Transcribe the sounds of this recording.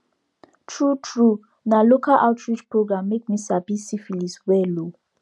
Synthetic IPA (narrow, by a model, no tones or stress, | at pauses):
tʰɹutʰɹu | nalokʰalʔa̰ʊtʰɹit͡ʃpɹoɡɹãmːek̚misabisifiliswɛlo